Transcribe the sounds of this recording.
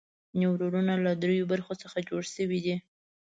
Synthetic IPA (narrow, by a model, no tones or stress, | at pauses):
newɾoɾunalad̪ɾejobaɾxosəxad͡ʒoɽʃəwid̪i